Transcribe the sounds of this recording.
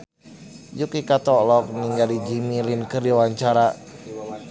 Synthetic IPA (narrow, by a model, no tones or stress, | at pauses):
jukikat̪ɔlɔk̚niŋɡalid͡ʒimilinkəɾiwaɲt͡ʃaɾa